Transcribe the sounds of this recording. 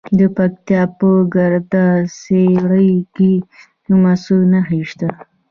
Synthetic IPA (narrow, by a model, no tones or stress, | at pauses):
d̪əpak̚t̪jɑpoɡaɾd̪aseɽəjki | numasunaɦiʃt̪a